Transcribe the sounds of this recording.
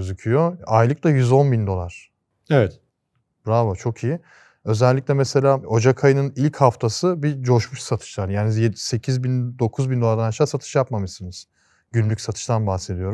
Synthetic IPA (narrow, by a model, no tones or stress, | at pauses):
øzycʰyjoajlˠɯklˠajyzo̞nbind̪o̞lˠaɾ̥ | evɛt̪ | bɾavot͡ʃʰo̞kʰij | ø̞zɛlʲːicʲlʲɛmɛse̞lʲaːo̞d͡ʒakʰajɯnɯnilʲchaft̪ʰasɯbid͡ʒo̞ʃmuʃsat̪ʰɯ̥ʃlˠaɾjaːnijese̞cʰizbind̪o̞kʰuzbind̪o̞lˠaɾd̪anaʃaːsat̪ʰɯ̥ʃjapmamɯʃsɯnɯz̥ | ɟynlʲycsat̪ʰɯ̥ʃt̪ʰanbaxsed̪ijo̞ɾum